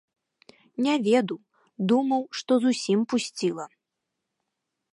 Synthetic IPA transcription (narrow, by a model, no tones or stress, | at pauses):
nʲɛvʲɛd̪uw | d̪umɐwʂt̪ɔzusʲimpusʲt͡sʲilˠɐ